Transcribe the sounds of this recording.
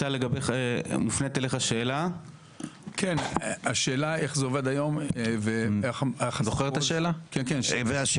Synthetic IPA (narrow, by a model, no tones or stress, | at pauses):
tale̞ɡabeχmufnet̪eleχaʃe̞ːla | kʰenaʃeːlaeχzeoved̪ajo̞mveeχeχzoχeʁet̪aʃeːlakenkenveaʃ